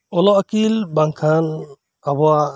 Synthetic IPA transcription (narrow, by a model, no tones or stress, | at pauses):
ɔlɔʔakilbaŋkʰan | abɔa